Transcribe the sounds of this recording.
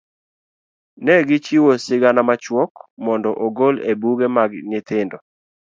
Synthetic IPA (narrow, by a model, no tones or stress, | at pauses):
nɛɡɪt͡ʃiwosɪɡanamat͡ʃwɔkmɔndɔʔoɡolebuɡemaɡnɪt̪ɪndɔ